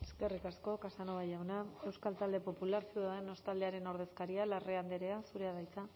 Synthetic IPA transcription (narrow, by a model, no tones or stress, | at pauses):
eske̞rikasko̞kasanoβajawnae̞wskalt̪ald̪e̞po̞pulaɾsjeðaðeno̞st̪ald̪e̞aɾe̞nowɾð̞e̞skaɾialareand̪eɾe̞asuɾe̞aðajt͡sa